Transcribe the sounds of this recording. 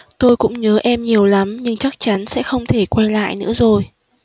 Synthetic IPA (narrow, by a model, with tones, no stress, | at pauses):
t̪o˧jkʊ̰˧˥ŋ͡mɲəː˨˦ʔɛ˧mɲi˨˩əwla˨˦mɲɨ˧ŋt͡ɕa˦˥k̚t͡ɕa˨˦nsɛ̰˧˥xə˧wŋ͡mt̪ʰe˧˩kwɛ˧nla̰ː˧˨jnɨ̰˧˥əzo˨˩j